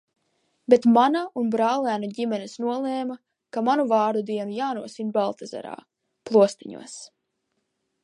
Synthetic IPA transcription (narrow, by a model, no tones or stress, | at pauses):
bet̪manaunbɾaːlˠæːnuɟimɛnesnuɔlˠeːma | kamanuvaːɾd̪ud̪iɛnujaːnuɔsinbalˠt̪aza̰ɾa̰ː | plˠuɔst̪iɲṵɔs